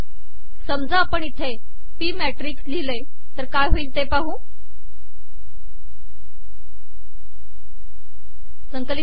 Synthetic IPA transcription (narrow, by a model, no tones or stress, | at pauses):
səmd͡zaːpəɳit̪ʰe | piːmæʈɾiksliləj | t̪əɾkaːjɦoiːlt̪epaɦũː | səŋkəli